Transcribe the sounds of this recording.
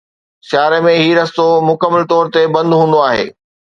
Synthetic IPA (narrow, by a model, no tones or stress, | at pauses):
sjaːɾemẽɦiːɾɐst̪omʊkəmːəlt̪ɔːɾt̪ebɐ̃nd̪ɦũːnd̪oaːɦḛː